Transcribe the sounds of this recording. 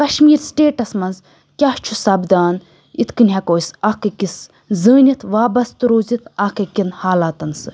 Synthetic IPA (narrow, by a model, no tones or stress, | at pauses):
kɐʃmiːɾsʈeːʈɐsmɐnz | kʲaht͡ʃʰusɐbd̪aːn | it̪ʰkɨnʲɦɐkoːjsɐkɐkis | zəːnʲit̪ʰʋaːbɐst̪ɨɾoːzit̪ʰɐkekinhaːlaːt̪ɐnsɨ